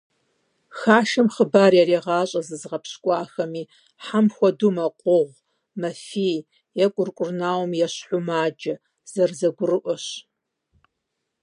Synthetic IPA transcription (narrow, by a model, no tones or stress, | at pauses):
xaːʃɐmχəbaːrjɛreːʁɑːɕʼɐzɨzʁɐpɕkʷʼɑːxɐmiː | ħamxʷɔdumɐqʷʼʊʁʷ | mɐfiː | jɛkʷʼʊrkʷʼʊrnaːwmjɛɕħʷʊmaːd͡ʒɐ | z̥ɐrzɐɡʷʊrɨʔʷɔɕ